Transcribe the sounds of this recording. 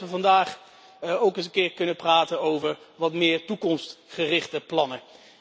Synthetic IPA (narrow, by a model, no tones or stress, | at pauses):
ʋəvɑndaːχ | owkənsəkɪːɹkɵnəpraːtənowvəɹʋɑtmɪːɹtukɔmstχərɪχtəplɑnə